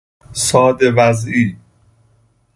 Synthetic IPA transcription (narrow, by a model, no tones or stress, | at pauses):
sɒːd̪evæzʔiː